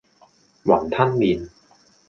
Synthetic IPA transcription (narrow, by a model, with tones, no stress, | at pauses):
wa˩˦ŋt̪ʰa˥˩nːi˧n